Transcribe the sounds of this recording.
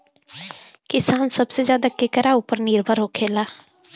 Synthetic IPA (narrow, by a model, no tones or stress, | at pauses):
kɪsaːnsəbsezjaːd̪akekəɾauːpəɾnɪɾbʱəɾɦokʰeːlaː